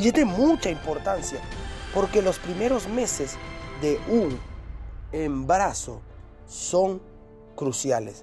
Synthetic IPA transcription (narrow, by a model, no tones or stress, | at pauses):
et̪emut͡ʃaimpoɾt̪ansjapoɾkelospɾimeɾozmesezd̪euŋ | embaɾaso | soŋ | kɾusjales